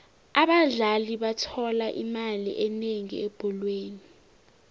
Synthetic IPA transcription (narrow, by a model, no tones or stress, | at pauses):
aɓaɮaliɓatʰɔlaʔimalḭʔɛneŋieb̥ʱulweːni